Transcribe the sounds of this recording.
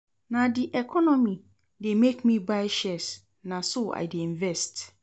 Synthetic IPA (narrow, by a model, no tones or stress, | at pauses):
nãdiʔɛkʰɔnɔ̃mĩ | demekmĩbaɪʃɛs | nãsoʔa̰ɪdeĩɱvɛst